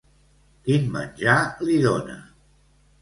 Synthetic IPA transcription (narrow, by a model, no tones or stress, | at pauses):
kinmə̰nʲʒaliðonə̰